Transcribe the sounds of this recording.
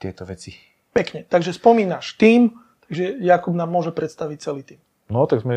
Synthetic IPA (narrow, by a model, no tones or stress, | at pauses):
t̪ɪɛt̪ɔʋɛt͡si | pɛkɲɛt̪aɡʒɛspɔmiːnaʃt̪iːm | t̪aɡʒɛjakubnaːmːʊɔʒɛpɾɛt̪st̪aʋic̚t͡sɛliːt̪iːm | nɔt̪aɡzmɛ